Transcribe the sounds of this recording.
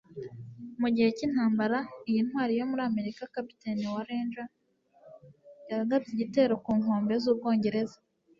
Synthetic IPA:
muɟihe̞cinhaːmbaɾaijinhɦwaːɾijo̞muɾiame̞ɾikakapi̥teniwaɾeːnʒa | jaɾaɡabɟiɟite̞ːɾo̞kuːŋo̞ːmbe̞zuːb̚ɡo̞ːɲɟe̞ɾe̞zḁ

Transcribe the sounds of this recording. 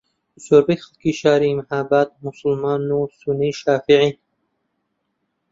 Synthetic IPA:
soɾbexlkiʃaːɾimhaːbaːt̪̚musulmaːnusuniʃaːfiʕin

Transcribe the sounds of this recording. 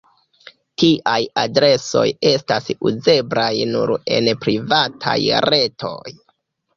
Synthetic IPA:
tiʔajadɾe̞so̞̰je̞stasuze̞bɾajnuɾe̞̰npɾivatʰa̰jɾe̞tʰo̞j

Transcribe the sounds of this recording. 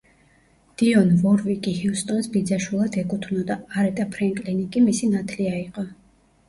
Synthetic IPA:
d̪̥iɔnvɔɾvikʼihilˠst̪ʼɔnsbid̪zaʃwilˠad̪ɛkʼut̪ʰvnɔd̪aːɾɛt̪ʼapʰɾɛŋkʼlinikʼimisinat̪ʰliaiqʼɔ

